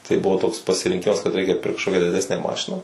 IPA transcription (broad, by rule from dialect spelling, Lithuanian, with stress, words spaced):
tɐɪ ˈbʊʋoː toːks pɐsʲɪrʲɪŋʲˈkʲɪmɐs kɐt ˈrʲɛɪkʲɛ ˈpʲɪrkt kɐʃˈkoːkʲɛ dʲɪˈdʲæːsʲnʲæː ˈmɑːʃʲɪnɑː